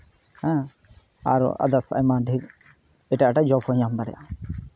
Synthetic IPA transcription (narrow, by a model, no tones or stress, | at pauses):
hɛ̃ | a̰ɾɔ̰ʔa̰d̪asa̰jmaɖʱiɾ | ɛʈaʔaʈad͡ʒɔpʰɔɲamd̪aɾɛ̰ja